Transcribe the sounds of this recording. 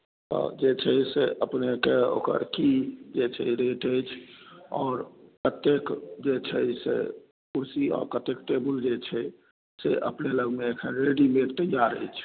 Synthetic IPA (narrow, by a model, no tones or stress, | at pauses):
t̪ɔ̰d͡ʒet͡ʃʰɛseʔəpnekeo̰ːkə̰ɾkid͡ʒet͡ʃʰɛiɾeʈəjt͡ʃʰɔːɾkət̪ekd͡ʒet͡ʃʰɛsḛ | kuɾsiɔ̰ːɾkət̪ekʈebəld͡ʒet͡ʃʰɛ | sḛʔə̰pneləɡmeekʰənɾeɖimet̪əjaɾə̰jt͡ʃʰ